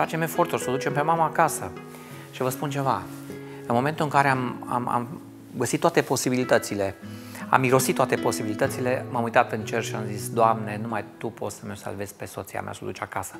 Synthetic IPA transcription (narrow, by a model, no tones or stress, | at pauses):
fat͡ʃe̞me̞fo̞rt̪urʲsod̪ut͡ʃe̞mpe̞maməakasə | ʃivəspunt͡ʃe̞va | ɨnmo̞ment̪uɨŋkaɾeama̰ma̰m | ɡəsit̪ːoat̪epo̞sibilit̪ət̪sile̞a̰miɾo̞stit̪ːoat̪e̞po̞sibilit̪ət̪sile̞mamujt̪at̪ɨnt͡ʃe̞rʃiamzisd̪oamne̞numajt̪upo̞t̪səmesa̰lve̞s̚ʲpe̞so̞t̪sia̰mʔa̰sod̪ut͡ʃakasə̥